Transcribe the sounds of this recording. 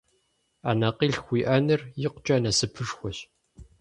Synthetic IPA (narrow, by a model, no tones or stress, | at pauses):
anɐqiːɬxʷiːʔɐnɨrjɪqʷt͡ʃʼɐnɐsɨpʰɨʂxʷɔɕ